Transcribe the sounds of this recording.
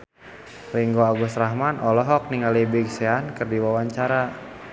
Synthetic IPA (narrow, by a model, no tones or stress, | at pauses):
riŋɡoaɡusraɦmanɔlɔɦɔk̚niŋalibiɡseankɨrdiwawaɲt͡ʃaɾa